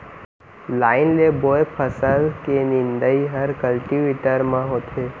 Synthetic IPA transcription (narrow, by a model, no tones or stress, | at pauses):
laːɪnlebojpʰəsəlkenɪ̃nd̪əiɦəɾkəlʈiʋeʈəɾmãɦot̪ʰe